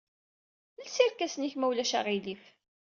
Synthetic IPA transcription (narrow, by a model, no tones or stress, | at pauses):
əlsiɾkæsniçmæwlæʃa̰ʁilif